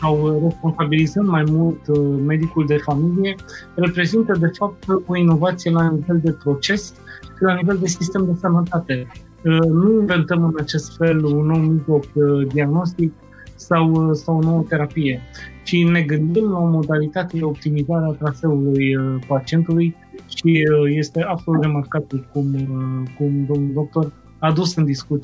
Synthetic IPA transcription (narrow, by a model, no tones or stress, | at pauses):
sawre̞spo̞nsabilizənd̪majmult̪me̞d̪ikuld̪e̞familije̞re̞pɾe̞zint̪əd̪e̞fap̚t̪o̞ino̞vat̪sijelanive̞ld̪e̞pɾo̞t͡ʃe̞s | ʃilanive̞ld̪e̞sist̪e̞md̪e̞sənət̪at̪e̞ | nuinve̞nt̪əmɨnat͡ʃe̞st̪fe̞lunːo̞wmiʒlo̞kd̪iaɡno̞st̪ik̚ | sawsawono̞wət̪e̞ɾapije̞ʃine̞ɡɨnd̪imlao̞mo̞d̪alit̪at̪e̞eo̞p̚t̪imizaɾeat̪ɾase̞ulujəpat͡ʃie̞nt̪uluj | ʃije̞st̪e̞abso̞lut̪re̞markab̪ilkumkumd̪o̞mnuld̪ok̚t̪o̞r | ad̪usɨnd̪iskut̪